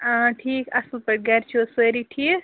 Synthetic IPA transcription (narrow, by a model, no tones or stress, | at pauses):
ãʈʰiːkɐslpəʈ̚ɡaɾt͡ʃʰuseɾiʈʰi